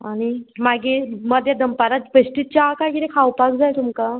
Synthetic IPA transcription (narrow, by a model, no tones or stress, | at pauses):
aɽ̃imaɡeməd̪ʱjad̪əmpaɾat̪̚pəɕʈit̪̚t͡ɕakajkiɾekʰawpakd͡zajt̪umka